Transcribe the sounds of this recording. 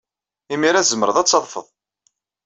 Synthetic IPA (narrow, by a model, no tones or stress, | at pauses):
imiɾæzəmːəɾəðˤɑt͡sːɑðˤfəðˤ